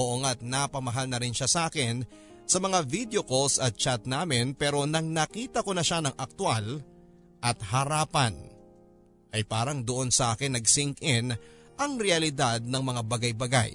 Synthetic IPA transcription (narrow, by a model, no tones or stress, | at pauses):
oʔoŋɐt̪̚nɐpɐmɐɦalnɐɾɪnʃasɐʔaːkɪn | sɐmɐŋavid̪jo̞kosɐt̪̚t͡ʃat̪̚naːmɪnpɛːɾo̞nɐŋnɐkiːt̪ɐko̞nɐʃanɐŋʔɐk̚t̪wal | ʔɐt̪̚hɐɾaːpɐn | ʔɐjpaːɾɐŋd̪oʔo̞nsɐʔaːkɪnːɐɡ̚sɪŋkɪn | ʔɐŋɾɛɐlɪd̪ad̪̚nɐŋmɐŋabɐɡajbɐɡa̰j